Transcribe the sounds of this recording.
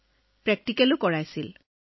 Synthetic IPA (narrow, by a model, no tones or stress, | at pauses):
pɹɛk̚tikɛlʊkɔɹajsil